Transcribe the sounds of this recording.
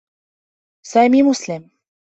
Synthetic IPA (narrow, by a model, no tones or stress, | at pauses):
sɑjmʲimuslʲem